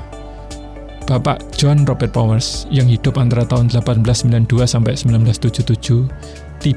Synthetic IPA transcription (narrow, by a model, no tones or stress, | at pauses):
b̥apa̰ʔd̥ʒ̥ɔnrɔbɛrt̪̚pɔwərsjəŋhid̪̥ʊpant̪aɾat̪aʊnd̪əlapanblasːəmbiland̪̥uasampɛʔsəmbilanblast̪ud̥ʒ̥ut̪ud̥ʒ̥u | t̪i